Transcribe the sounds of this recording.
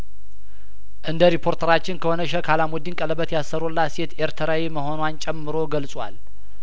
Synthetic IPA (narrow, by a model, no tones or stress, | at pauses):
ʔɨnd̪əɾipʰo̞ɾt̪ʰəɾat͡ʃːɪnkʰəho̞nəʃəkʰalamwɔd̪inkʼələbət̪jasːəɾolːaset̪eɾt̪ʰəɾawiməho̞nwant͡ʃʼɛmːɨɾo̞ɡəlsʼwa̰l